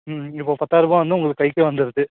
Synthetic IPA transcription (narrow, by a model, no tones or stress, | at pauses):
mɪpːoːpɐt̪ːaːɾɯbɐ̃ʋɐnd̪ɯʊŋɡɐɭɯkːkːɐjkːɯʋɐnd̪ɯɾɐðɯ